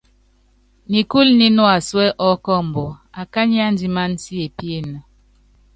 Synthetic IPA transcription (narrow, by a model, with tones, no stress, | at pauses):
ni˨ku˦lni˦nɔ˦a˨swɛ˦ʔɔ˦kɔ˦˨m̩˨bɔ˨a˨ka˦ɲi˦a˦n˦d͡ʒi˦ma˦n˦si˦e˨pje˦nə˨